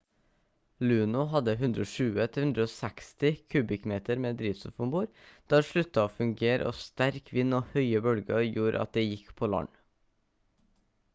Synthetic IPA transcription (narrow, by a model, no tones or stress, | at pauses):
lʉːnʊɦɑd̪əɦʉnd̪ɾoːʃʉːət̪ʰɪhʉnd̪ɾəoːsɛkst̪ɪkʰʉːbɪkmeːt̪əɾmeːd̪ɾiːʋsɔfɔmbuːɾd̪̥ɑːʃɭʉt̪ɑoːfʉŋɡeːɾʔə̰ʔo̰ːst̪æɾkʰʋɪnoːhœʏəbœlɡəjuːɾʔɑ̰t̪̚d̪eːjɪkpʰoːlɑ̰ɳ